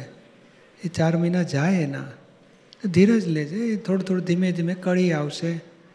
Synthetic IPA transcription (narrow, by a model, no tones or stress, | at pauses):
et͡ʃaɾməinad͡ʒajena̰ | d̪ʱiɾəd͡ʒled͡ʒet̪ʰoɽot̪ʰoɽod̪ʱimẽd̪ʱimẽkəɭiaʋʃe